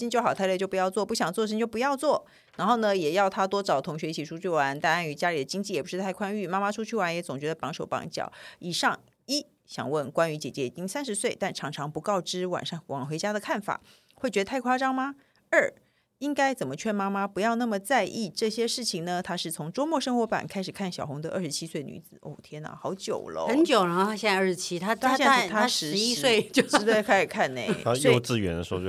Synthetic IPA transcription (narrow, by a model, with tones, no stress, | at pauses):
ɕi˥nt͡ɕjo˥˩ʊxɑ˨˩ʊt̪ʰlt͡ɕjpu˧jɑ˥˧ʊt͡swɔ˥˧pu˥˩ɕjɑ˨˩ŋt͡swɔ˥˧ʂ̬ə˥ŋt͡ɕjo˥˩ʊp̬u˧˥jɑ˥˧ʊt͡swɔ˥˩ | ɻa˧˥nxo˥˩ʊnə˨˧jɛ˨˩jɑ˥˩ʊt̪ʰa˥t̪wɔ˥ʈ͡ʂɑ˨˩ʊt̪ʰʊ˧˥ŋɕɥɛ˧˥i˧˩t͡ɕʰi˨˥ʈ͡ʂʰu˥t͡ɕʰy˥˩wa˧˥nt̪a˥˧a˥˩ny˧˥˦t͡ɕja˥li˨˩d̪ə˩t͡ɕi˥ŋt͡ɕi˥˩jɛ˨˩pu˧˥ʂɻ̩˥˧t̪ʰa˥˩ɪkʰwa˥ny˥˩ma˥ma˥ʈ͡ʂʰu˥t͡ɕʰy˥˩wa˧˥njɛ˧˥t͡sʊ˨˩ŋt͡ɕɥɛ˧˥d̪ə˧pɑ˧˥ŋʂo˨˩ʊpɑ̰˧˥ŋt͡ɕjɑ̰˨˩˦ʊi˨˩ʂɑ˥˩ŋ | i˥ | ɕjɑ̰˨˩ŋwə˥˩nkwa˥ny˧˥t͡ɕjɛ˨˩t͡ɕjɛ˧˥ḭ˨˩t͡ɕi˥ŋsa˥nʂɻ̩˧˥swe˥˩ɪt̪a˥˩nʈ͡ʂʰɑ˧˥ŋʈ͡ʂʰɑ˧˥ŋpu˧˥kɑ˥˧ʊʈ͡ʂɻ̩˥wa̰˨˩ŋʂŋ˩wɑ̰˨˩ŋxwe˧˥ɪt͡ɕja˥d̪ə˨kʰa˥˩nfa̰˨˩˦ | xwe˥˩t͡ɕɥ̪ə˧t̪ʰɪkʰwa˥ʈ͡ʂɑ˥ŋmɐ˧ | ə˞˥˩ | i˥ŋka˥ɪt͡sə˨˩nmə˦t͡ɕʰɥɛ˥˩˧nma˥ma˥pu˧˥jɑ˥˧ʊna˥˩mə˩t͡sa˥˧ɪʔi˥˧ʈ͡ʂɤ˥˩ɕjɛ˥ʂɻ̩˥˩t͡ɕʰi˨˩ŋnə˧t̪ʰa˥ʂɻ̩˥˩t͡sʰʊ˧˥ŋʈ͡ʂo˥ʊmwɔ˥˧ʂɤ˥ŋxwɔ˧˥pa̰˨˩nkʰa˥ɪʂɻ̩˨˩kʰa˥˩nɕjɑ˨˩ʊxʊ˧˥ŋd̪ə˧ə̰˥˩ʂɻ̩˧˥t͡ɕʰi˥swe˥˩ɪny̰˧˥t͡sɹ̩˨˩o̰˥˩˨t̪ʰjɛ˥nə̰˧˩xɑ˧˥ʊt͡ɕjo˨˩ʊlə̰˦xə˧˥nt͡ɕjo˨˩ʊlə˧˥ɕjɛ˥˧n˥˧˥ɻɻ̩˧t͡ɕʰi˥t̪ʰa˥a˥ɕɛ˥˧˥t̪ʰa˥a˥ʂʂɻ̩˧˥ɻ̩˧˥i˥swe˥˧ɪt͡ɕo˥˧ʂ̩˥t̪wə˥˧kʰa˧˥i˨˩kʰa˥˩nḛ˥˧˩a˥jʊt͡sɹ̩˥˧ɥɛ˧˥nd̪ə˧ʂɻ̩˧˥o˥˧˩t͡ɕo˥˧